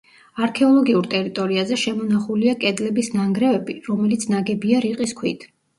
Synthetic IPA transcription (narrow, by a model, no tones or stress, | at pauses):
aɾkʰɛɔlˠɔɡiuɾt̪ʼɛɾit̪ʼɔɾiazɛʃɛmɔnaχuliakʼɛd̪lɛbisnaŋɡɾɛvɛbiɾɔmɛlit̪sʰnaɡɛbiaɾiqʼiskʰwḭt̪ʰ